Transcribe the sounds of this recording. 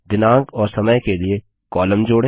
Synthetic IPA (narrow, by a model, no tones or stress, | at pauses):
d̪ɪnãːɡɔːɾsɐməjkelie | kɔːləmd͡ʒoːɽe